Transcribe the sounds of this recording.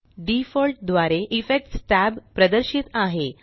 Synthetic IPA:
ɖifəlʈ̚d̪ʋaɾeʔifek̚ʈsʈæbpɾəd̪əɾɕiːt̪aɦe

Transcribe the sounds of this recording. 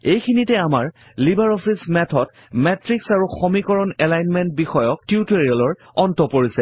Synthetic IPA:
ejkʰinitɛamaɹ | libaɹɔpʰismɛtʰɔt | mɛtɹiksaɹuxomikɔɹɔnɛlajnmɛnt̚bixɔjɔk̚tiutoɹialɔɹ | ɔntɔpoɹisɛ

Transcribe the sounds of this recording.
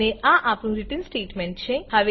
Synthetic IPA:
eʔãʔaːpnũɾɪʈənsʈeːʈmɛ̃ɳʈt͡ʃʰehɐʋe

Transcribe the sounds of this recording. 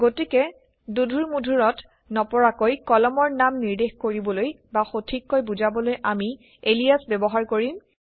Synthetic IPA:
ɡotikɛ | dudʱuɹmudʱuɹɔt | nɔpɔɹakojkɔlɔmɔɹnamniɹdexkoɹibɔloj | baxotʰikːojbuzabɔlojʔami | elijasbɛbɔɦaɹkoɹim

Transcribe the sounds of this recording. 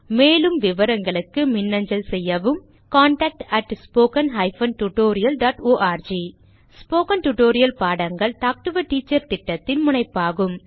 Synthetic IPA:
meːlɯmʋɪʋɐɾɐŋɡɐɭɯkːɯmɪnːɐɲd͡ʒɐlsɛjːɐʋɯm | kaːɳʈɐːk̚ʈɐʈspoːkɐnɦɐɪfɐnʈuʈoːɾɪjɐlɖaːʈoːʔaːɾd͡ʒi | spoːkɐnʈuʈoːɾɪjɐlpaːɽɐŋɡɐɭt̪aːk̚ʈɯʋɐʈːiːt͡ʃːɐɾt̪ɪʈːɐt̪ːɪnmʊnɐɪpːaːɣɯm

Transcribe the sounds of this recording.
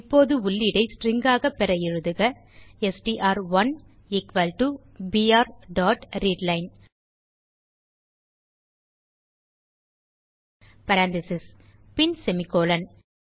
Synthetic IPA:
pːoːðɯʊlːɪɽɐɪsʈɾɪŋɡaːɣɐpːɛɾɐɪɻɯðɯɣɐ | ɛsʈiʔaːɾʋɐn | ɪkʋɐlʈu | biːaːɾɖaːʈɾiːɖlɐɪn | pɐɾaːnd̪ɪsɪspɪnsɛmɪkːoːlɐn

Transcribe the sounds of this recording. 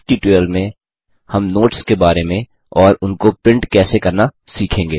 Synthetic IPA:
ʈiʈeːlmẽ | hɐmnoːʈskebaːɾemẽ | ɔːɾʊnkopɪ̃ɳʈkɛːsekɐɾnasiːkʰẽːŋɡeː

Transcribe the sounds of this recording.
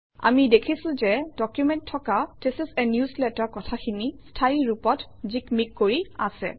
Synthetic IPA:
a̰midekʰisʊ̃zɛdɔkjumɛntʰːɔkatɛsisɛnjuslɛtaɹkɔtʰakʰinistʰajiɹupɔtzikmikːoɹiasɛ̰

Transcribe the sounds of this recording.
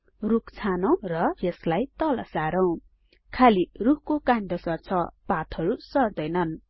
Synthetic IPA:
rukt͡sʰanʌw̃rʌjʌslajt̪ʌlʌ̰saɾʌw̃ | kʰalirukkokand̪ʌsʌrt͡sʰʌpat̪ʰʌɾusʌrd̪ʌjnʌn

